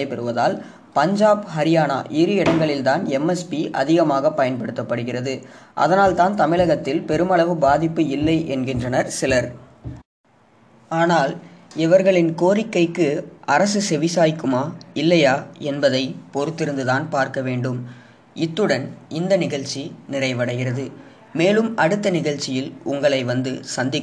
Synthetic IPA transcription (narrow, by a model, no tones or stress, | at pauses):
ɐɪpɛɾɯʋɐða̰ːl | pɐɲd͡ʒaːbhɐɾɪjaːna̰ːʔɪɾɯɪɽɐŋɡɐɭɪlt̪aːnɛmɛspiʔɐ̰ðɪɣɐmaːɣɐpːɐjɐnpɐɽɯt̪ːɐpːɐɽɯɣɪrɐðɯʔɐ̰ðɐnaːlt̪aːnt̪ɐmɪɭɐɣɐt̪ːɪlpɛɾɯmɐɭɐʋɯbaːðɪpːɯɪlːɐɪʔɛnɡɪndrɐnɐɾsɪlɐɾ | aːnaːlɪʋɐɾɣɐɭɪnkoːɾɪkːɐɪkːɯɐɾɐsɯsɛʋɪsaːjɪkːɯmaːɪlːɐjaːɛnbɐðɐɪpɔɾɯt̪ːɪɾɯnd̪ɯðaːnpaːɾkɐʋeːɳɖɯm | ɪt̪ːɯɽɐnɪnd̪ɐnɪɣɐɭt͡ʃːinɪrɐɪʋɐɽɐɣɪrɐðɯ | meːlɯmɐɽɯt̪ːɐnɪɣɐɭt͡ʃːɪjɪlʊŋɡɐɭɐɪʋɐnd̪ɯsɐnd̪ɪkː